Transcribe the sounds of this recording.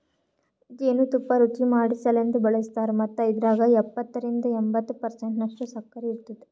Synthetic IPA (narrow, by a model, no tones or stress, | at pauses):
d͡ʒeːnut̪upːɐɾut͡ʃimaːɽisɐlend̪ubɐɭest̪aːɾumɐt̪ːuid̪ɾaːɡɐɛpːɐt̪ːɐɾind̪ɐembɐt̪ːupɐɾseɳʈnɐkʂʈusɐkːɐɾiiɾt̪id̪e̥